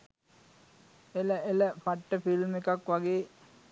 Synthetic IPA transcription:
eləeləpaʈːəfilmekakʋaɡeː

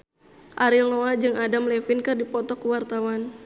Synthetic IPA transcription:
ʔaɾilnoad͡ʒɨŋadamlɛfinkɨrdipɔt̪ɔkuwart̪awan

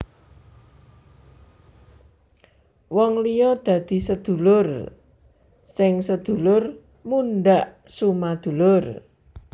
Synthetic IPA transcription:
wɔŋlijɔd̪̥ä̤d̪̥i̤səd̪̥ṳlʊr | sɪŋsəd̪̥ṳlʊr | munɖaʔsumad̪̥ṳlʊr

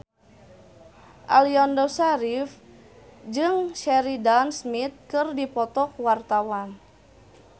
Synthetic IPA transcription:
ʔa̰liɔndɔsaɾif | d͡ʒɨŋʃɛɾidansmit̪̚kɨrdipɔt̪ɔk̚wart̪awan

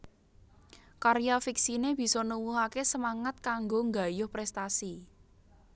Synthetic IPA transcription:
kaɾijafiksineb̥i̤sɔnuwuɦakesəmaŋat̪̚kaŋɡoŋɡa̤jʊhpɾɛst̪asi

